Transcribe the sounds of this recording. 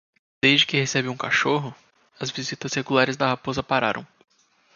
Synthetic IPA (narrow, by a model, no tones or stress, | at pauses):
d̪̥ejzd͡ʒɪkɪhesɛbɪũkaʃoɦʊ | ɐzvizit̪ɐzheɡulaɾɪzd̪ɐhapozɐpaɾa̰ɾʔɐ̰̃w̃